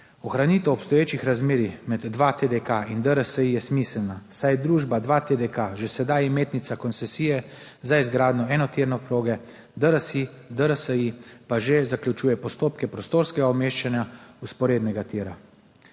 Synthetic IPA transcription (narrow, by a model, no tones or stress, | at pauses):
ɔxɾaniːt̪ɛɔpst̪ɔjeːt͡ʃixɾazmeːɾixmɛd̪ːʋat̪ed̪ɛkaind̪əɾəsəijɛsmislnasajd̪ɾuːʒbad̪ʋat̪ed̪ɛkaʒesɛd̪ajmeːt̪nit̪sakɔnt̪sɛsiːjɛ | zaizɡɾaːd̪nɔɛːnɔt̪iɾnɔpɾoːɡɛ | d̪əɾəsi | d̪əɾəsəipaʒezakljut͡ʃuːjɛpɔst̪oːp̚kɛpɾɔst̪oːɾskɛɡaɔmeːʃt͡ʃanjauspɔɾeːd̪nɛɡat̪iːɾa